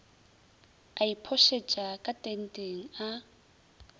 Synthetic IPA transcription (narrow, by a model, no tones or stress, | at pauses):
aipʰɔʃet͡ʃʼakʼatʼen̩tʼeŋ̩a